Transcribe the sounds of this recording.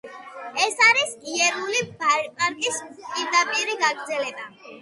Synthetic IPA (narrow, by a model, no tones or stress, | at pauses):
ɛsaɾisiɛɾulibaɾpʼant̪ʼispʼiɾd̪apʼiɾiɡaɡɾd̪zɛlɛba